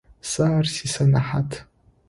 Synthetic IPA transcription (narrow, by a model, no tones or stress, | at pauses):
sarsisanaħatʰ